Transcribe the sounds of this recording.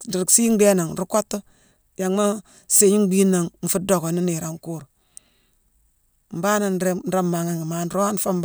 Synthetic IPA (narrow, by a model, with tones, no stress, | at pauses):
di˨ɾi˨ksi˦ŋ˦be˦na˨ŋ˨ɾu˦ko˦tːo˦ | ja˨ŋma˦ | se˨ɲi˦ɡ͡bi˦na˨ŋm̩˨fu˦do˨ɡo˨ni˦ni˨ɾa˨ŋ˦ku˦ɾ | m̩˨ba˦na˨nɾe˦n̩˦ɾa˦mːa˨ŋa˦ŋi˨ma˦n˦ɾo˦a˦n˦fa˦m˦b